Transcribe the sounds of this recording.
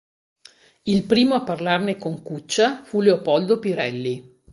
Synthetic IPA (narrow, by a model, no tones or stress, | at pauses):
ilpɾiːmoapːarlarnekoŋkut͡ʃːafuleopɔld̪opiɾɛlːi